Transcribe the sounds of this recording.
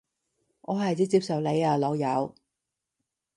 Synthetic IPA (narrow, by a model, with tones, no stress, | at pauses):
ʔɔː˨˧hɐ˨˩jt͡siː˧˥t͡siː˧p̚sɐ˨wle˨˧jaː˨˧lɔː˨˧wjɐ˨˧w